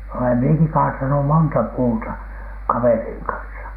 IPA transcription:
olem mieki kɑːtɑnu montɑ puːtɑ kɑʋeriːŋ kɑnsɑ

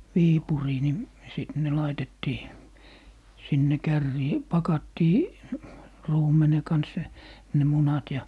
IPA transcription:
ʋiːpuriː ni siˑt ne lɑitetːiː sinːe kærːiː pɑkɑtːiː ruːmene kɑns ne munɑt jɑ

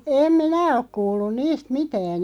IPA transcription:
em minæ ok kuːlːun niːst mitæːn

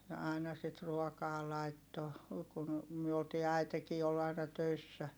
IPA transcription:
jɑ ɑˑi̯nɑ sit ruɔkɑː lɑitːo kun myø oltiː æi̯tekiː ol ɑinɑ tøisːæ

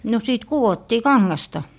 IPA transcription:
no siˑt kuwotːiː kɑŋːɑstɑ

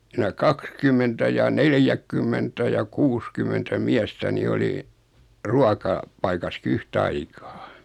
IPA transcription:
sinæ kɑkskymːentæ jɑ neljækːymːentæ jɑ kuːskymˑentæ miæstæ ni oli ruɑkɑ pɑikɑski yhtɑikɑː

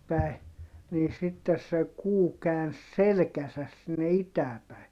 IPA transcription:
pæi̯ niː sitːes se kuː kæːns selĕkæsæs sinːe itæː pæi̯

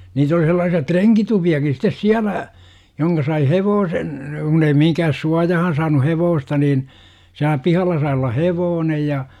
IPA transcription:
niːt oli selːɑːsiɑ treŋkitupiɑkis sitˑes siælæ joŋkɑ sɑi heʋoːsen kunː ei mihiŋkæhæs suɑjɑhɑn sɑːnu heʋoːstɑ niːn siælæ pihɑlːɑ sɑi olːɑ heʋoːnej jɑ

